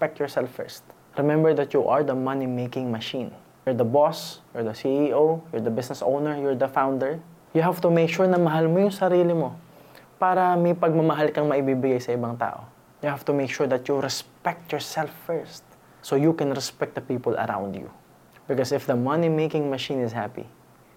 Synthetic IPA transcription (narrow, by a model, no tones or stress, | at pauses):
spɛk̚t̪jɔɹsɛlfːɛ̰ɹst̪̚ | ɹɛmɛ̃mbɛɹd̪ɐt̪juʔɐɹd̪ɐmɐnimejkɪ̃ŋmɐʃĩn | jɔɹd̪ɐbɔsjɔɹd̪ɐsiʔiʔojɔɹd̪ɐbɪsnɛsʔo̰wnɛɹjɔɹd̪ɐfãwnd̪ɛɹ | jʊɦav̥t̪ʊmeɪkʃuɹnɐmɐɦalmojʊŋsɐɾiːlɪmo | paːɾɐmɐjpɐɡ̚mɐmɐɦalkɐŋmɐʔɪbibɪɡajsɐɪbaŋt̪a̰ːʔo̰ | jʊhav̥t̪ʊmejkʃuɹd̪ɐt̪juɾɛspɛk̚t̪jɔɹsɛlfːɛɹst̪̚ | sojukɛ̃nɾɛspɛk̚t̚d̪ɐpiːpɔlɐ̰ɾã̰w̃nd̪jṵ | bɪkɔsɪfd̪ɐmɐnimejkɪ̃ŋmɐʃĩnɪshapḭ